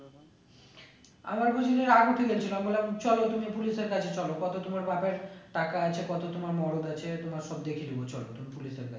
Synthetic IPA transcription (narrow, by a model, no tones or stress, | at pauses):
a̰maɾbʱod͡ʑileɾaɡut̪ʰeɡelt͡ɕʰilambolamt͡ɕɔlot̪umipuliʃeɾkat͡ɕʰet͡ɕɔlokɔt̪ot̪omaɾbapeɾʈakaat͡ɕʰekɔt̪ot̪omaɾmɔɾod̪at͡ɕʰet̪omaɾʃɔb̚d̪ekʰilibot͡ɕɔlo̰t̪umipuliʃeɾkat͡ɕʰe